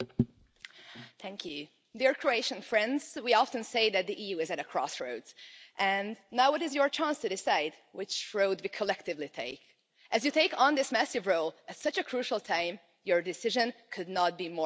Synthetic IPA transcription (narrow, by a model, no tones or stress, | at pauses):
θæ̃ŋkʰjʉ | diɹkʰɹ̥oeɪʃɨ̃nfɹɛ̃ndz̥wiɑfɨ̃nseɪðɨt̪̚ðiʔijʉɨzɨɾɨkʰɹ̥ɔ̰sɹoʊdz̥ʔɨ̃nnaʊwʌɾɨzjə˞t͡ʃʰæ̃nstɨdɨsaɪd̚ | wɪt͡ʃɹoʊd̚wikʰəlɛk̚tɨvlitʰeɪk | ʔɨzjɨtʰeɪkn̩ðɪsmæsɨvɹoʊlˠɨtsʌt͡ʃɨkʰɹ̥ʉʃl̩ˠtʰãɪ̃m | jə˞dɨsɪʒɨ̃nkʰɨdⁿnət̚b̥imɔ